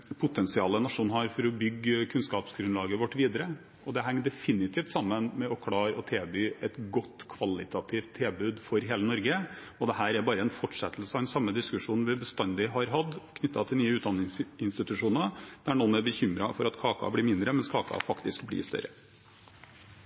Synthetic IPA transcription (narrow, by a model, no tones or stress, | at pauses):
pʰʊt̪ʰɛnsɪɑːlːənɑʂuːnhɑɾfɔɾɔbʏɡːkʰʉnskɑːpsɡɾʉnlɑːɡəʋɔʈːʋiːd̪əɾə | ɔd̪ɛɦæŋːd̪ɛfɪnɪt̪ʰiːft̪sɑmːənmɛɔkʰɽɑːɾɔt̪ʰeːbyːʔɛt̪ɡɔt̪ːkʰʋɑlɪt̪ʰɑt̪ʰɪft̪ʰːɛlbʉːd̪fɔɾɦeːlənɔɾɡə | ɔd̪ɛhæːɾæɾbɑːɾəɛnfɔʈːʂɛt̪ːl̩səɑd̪ɛnsɑmːəd̪ɪskʉʂuːnn̩ʋɪbəst̪ɑnd̪ɪɦɑɾɦɑd̪kʰnʏt̪ːɑt̪ʰɪlnyːəʉːt̪d̪ɑnɪsɪnst̪ɪt̪ʉʂuːnəɾd̪̥æɳɔnæɾbəçʏmɾɑfɔɾɑt̪kʰɑːkɑ̰blɪɾmɪnd̪ɾəmɛnskʰɑːkʰɑ̰fɑkt̪ɪskblɪ̰ːst̪œ̰ɾə